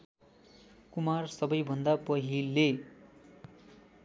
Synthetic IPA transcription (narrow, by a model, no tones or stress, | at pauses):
kumarsʌbʌjbʱʌnd̪apʌɦilːe